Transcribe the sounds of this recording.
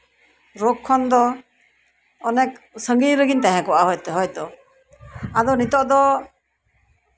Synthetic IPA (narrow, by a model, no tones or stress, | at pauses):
ɾɔkʰːɔnd̪ɔ | ɔnɛk | səŋɡijɾəɡint̪aɦɛ̃kɔʔaɦɔjt̪ɛɦɔjt̪ɔ | ad̪ɔnit̪ɔʔd̪ɔ